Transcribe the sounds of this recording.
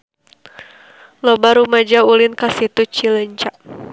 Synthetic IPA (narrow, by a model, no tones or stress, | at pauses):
lɔbaɾumad͡ʒaulinkasit̪ut͡ʃiləɲt͡ʃaʔ